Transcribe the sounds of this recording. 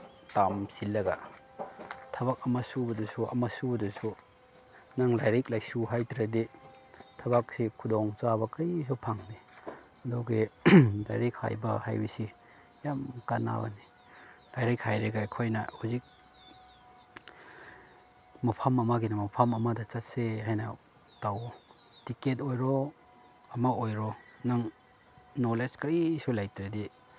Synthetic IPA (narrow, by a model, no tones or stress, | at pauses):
tamsilːɐɡa̰ | tʰɐbak̚ɐmɐsubɐdɐsuɐ̰masubɐdusu | naŋlajɾik̚lajsuɦajtɾade | tʰɐbak̚sikʰudɔŋt͡ʃabɐkɐjs̬ɔpʰaŋniɐdɔwɡela̰jɾik̚ha̰jbɐ̰ha̰jbɐsi | jamkana̰bɐ̰ni | d̥ajɾijkʰajɾeɡajkʰojnɐ̰huzik̚ | mɐpʰamɐmaɡinamɐpʰamɐmadɐt͡ʃatseɦajnatawɔ | tiket̬ojɾɔ | ɐmaojɾɔnɐŋ | noleskɐjsulajtɾedi